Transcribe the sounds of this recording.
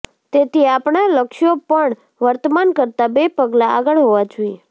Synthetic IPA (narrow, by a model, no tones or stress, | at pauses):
t̪et̪iapɳaləkʃjopəɳ | ʋəɾt̪əmankəɾt̪abepəɡlaaɡəɭɦoʋad͡ʒuje